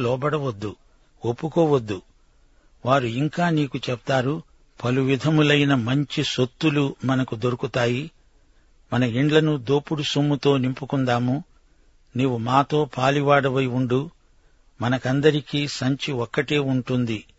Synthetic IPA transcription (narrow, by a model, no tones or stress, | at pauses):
lɔːbɐɽɐʋɐd̪ːu | opːukɔːʋɐd̪ːu | ʋaːɾuiŋkaːniːkut͡ʃɛp̚t̪aːɾu | pɐluʋid̪ʱɐmulɐjnɐmɐɲt͡ʃisot̪ːulumɐnɐkud̪o̞ɾukut̪aːji | mɐnɐiɳɖlɐnud̪oːpuɽusomːut̪o̞ːnimpukuɳd̪aːmu | niːʋumaːt̪o̞ːpʰaːliʋaːɽɐʋɐjuɳɖu | mɐnɐkɐnd̪ɐɾikiːsɐɲt͡ʃiɔkːɐʈeːuɳʈund̪i